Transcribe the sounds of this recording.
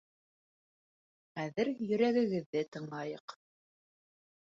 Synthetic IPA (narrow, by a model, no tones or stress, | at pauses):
χæðɘɾjɵ̆ɾæɣɘ̆ɡɘ̆ðːɘt̪ɤ̆ɴlˠɑjɤq